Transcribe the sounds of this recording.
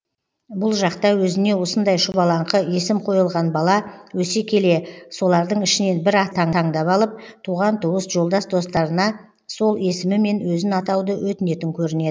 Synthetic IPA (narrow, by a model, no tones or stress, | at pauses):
bʊlˠʒɑqt̪ɑwɵzɪne̞wo̞sənd̪ɑjʃʊbɑlˠɑɴqʰəe̞sɪmqʰo̞jəlˠʁɑnbɑlˠɑwɵse̞kʲʰe̞le̞so̞lˠɑɾd̪əɴɪʃɪne̞nbɪɾɑt̪ʰɑɴʰɑɴd̪ɑpɑlˠəp̚t̪ʰuʁɑnt̪ʰuwəsʒo̞lˠd̪ɑsd̪o̞st̪ɑɾənɑ | so̞lˠe̞sɪmɪme̞nwɵzɪnɑt̪ɑwd̪əwɵt̪ɪne̞t̪ɪŋkʲʰɵɾɪne̞ɪ